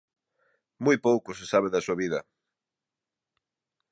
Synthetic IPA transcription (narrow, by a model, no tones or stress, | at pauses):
mujpowkʊs̬esaβ̞eðɐsuaβiðɐ